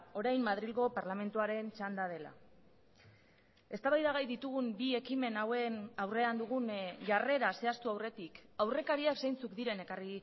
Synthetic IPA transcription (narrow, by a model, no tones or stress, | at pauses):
o̞ɾajmmað̞ɾilɣo̞paɾlame̞nt̪uaɾe̞nt͡ʃand̪að̞e̞la̰ | e̞st̪aβajðaɣ̞ajðit̪uɣ̞umbie̞kime̞nawenawre̞and̪uɣ̞unʝare̞ɾase̞ast̪uawre̞t̪ikawre̞kaɾiaksajnt͡sukd̪iɾe̞ne̞kari